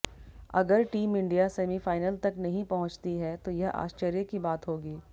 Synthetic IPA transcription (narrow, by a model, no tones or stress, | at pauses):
ɐɡəɾʈiːmɪ̃ɳɖijaseːmifaːɪnəlt̪ɐknɐɦĩpɐɦʊ̃t͡ʃt̪iɦɛt̪ojɐɦʔa̰ːʃt͡ʃəɾjəkibaːt̪ɦoːɡiː